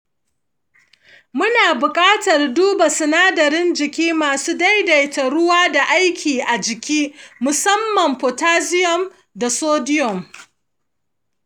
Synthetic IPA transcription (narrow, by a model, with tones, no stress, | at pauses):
mʊ˦naː˨bʊ˨kʼaː˦tɐ˨rduː˦ba˨sʊ˨naː˦dɐ˨ɾɪ˦nd͡ʒɪ˨kʲiː˦maː˨suː˦da˦jda˨jtɐ˨ɾʊ˦waː˦da˨ʔa˦jkʲʰiː˨ʔa˨d͡ʒɪ˨kʲiː˦mʊ˨sɐ˦mːɐ˨mɸo˨taː˦zɪ˦jɔ˨m | da˨soː˦dɪ˦jɔ˨m